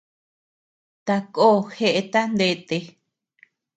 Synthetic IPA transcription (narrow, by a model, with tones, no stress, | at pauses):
t̪a˧koː˦˨xe˦ʔe˧t̪a˦nd̪e˧t̪e˧